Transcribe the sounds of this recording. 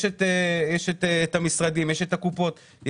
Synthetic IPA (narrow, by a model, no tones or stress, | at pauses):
ʃet̪ejɛʃet̪eetamisʁad̪imjeʃet̪akupo̞t̪ | j